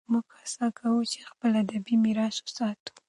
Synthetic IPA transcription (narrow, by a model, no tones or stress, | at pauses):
muɡxasɑkʰawut͡ʃe̥xpəlad̪abimiɾɑsosɑt̪u̥